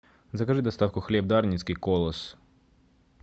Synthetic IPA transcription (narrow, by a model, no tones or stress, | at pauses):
zɐkɐʐɨd̪ɐst̪ɑwkʊxlʲɛb̚d̪ɑrnʲisʲkɪjkɔlˠɔs